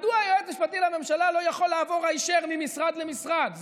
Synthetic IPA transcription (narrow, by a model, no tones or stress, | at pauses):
d̪uajoet̪miʃpat̪ilame̞mʃalalo̞jaχo̞lːaːvo̞ʁaiʃeʁmimisʁad̪le̞misʁad̪